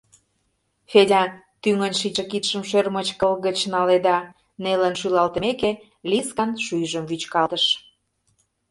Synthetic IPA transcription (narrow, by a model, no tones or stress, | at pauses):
fedʲɑ | t̪yŋənʲʃiəkit̪ʃəmʃørmət͡ɕkəlɣət͡ɕnɑled̪ɑ | nelə̆nʃylɑlt̪ə̆meke | lʲiskɑnʃujʒəmβyt͡ɕkɑlt̪əʃ